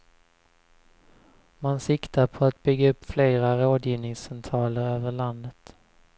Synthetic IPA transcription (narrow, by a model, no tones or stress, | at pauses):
mansɪkt̪aɾpʰɔat̪̚bʏɡaɵpːfleːɾaɾoːd̪jiːvnɪŋsɛnt̪ʰɾɑːləɾøːvəɭand̪ət̪